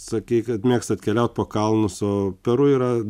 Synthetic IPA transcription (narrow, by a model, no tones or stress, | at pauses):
sɐkʲiːkɐt̪mʲeːkst̪ɐt̪ʲkʲɛlʲɛʊt̪̚poːkɐlˠnʊsoːpʲɛɾʊiːɾɐ